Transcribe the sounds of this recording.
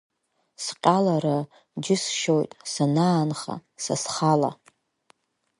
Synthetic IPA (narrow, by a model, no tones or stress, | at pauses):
sqʲʼalaɾa | d͡ʒɪsʃojtʼsanaːnχa̰sasχala̰